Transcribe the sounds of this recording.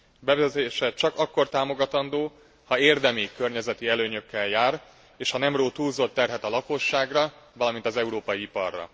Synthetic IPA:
bɛvɛzɛt̪eːʃɛt͡ʃɒkɒkːo̞rt̪aːmo̞ɡɒt̪ɒnd̪oː | hɒeːrd̪ɛmikø̞rɲɛzɛt̪iɛløːɲø̞kːɛljaːr | eːʃhɒnɛmroːt̪uːlzot̪ːɛrɦɛt̪ɒlɒko̞ʃːaːɡrɒvɒlɒmint̪ɒzɛuɾoːpɒjiipɒ̰rːɒ̰

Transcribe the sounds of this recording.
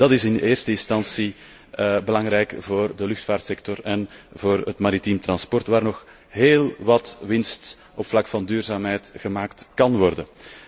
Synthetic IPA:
d̥ɑtɪsɪneːrstəɪnstɑnsi | əbəlɑŋɾɛjkvoːrdəlʏxtfaːrtsɛktɔrɛnvoːrətmaɾitimt̪rɑnspɔrtʋaːrnɔx | ɦeːlˠʋɑtʋɪnst | ɔpflɑkfɑndyːrzaːmɦɛjtɣəmaːktkɑnʋɔrdən

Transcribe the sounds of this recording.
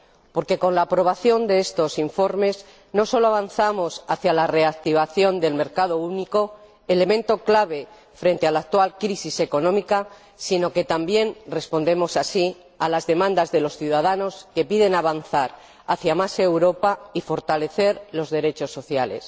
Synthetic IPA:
po̞ɾke̞ko̞nlaːpɾo̞β̞aθjo̞nd̪e̞est̪o̞siɱfo̞ɾme̞z | no̞so̞lo̞aβ̞anθamo̞saθjalare̞ak̚t̪iβ̞aθjo̞nd̪e̞lme̞ɾkað̞o̞uniko̞ | ele̞mẽ̞nt̪o̞klaβ̞e̞ | fɾe̞nt̪e̞alaːk̚t̪walkɾisise̞ko̞nõmika | sino̞ke̞t̪ambje̞nre̞spo̞nd̪e̞mo̞sasi | alazðe̞mãnd̪azðe̞lo̞sθjuðaðano̞ske̞piðe̞naβanθaɾ | aθjamase̞wɾo̞paifo̞ɾt̪ale̞θe̞ɾlo̞zðe̞ɾe̞t͡ʃo̞sːo̞θjale̞̰s

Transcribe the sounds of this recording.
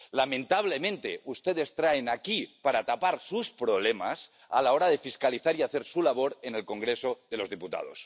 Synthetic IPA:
lamẽnt̪aβ̞le̞mẽnt̪ḛʔust̪eðe̞st̪ɾaenakipaɾat̪apaɾsuspɾo̞β̞lema̰s | a̰lao̞ɾaðe̞fiskaliθaɾiaθe̞ɾsulaβ̞o̞ɾene̞lko̞ŋɡɾesoðe̞lo̞zðiput̪a̰ð̞o̰s

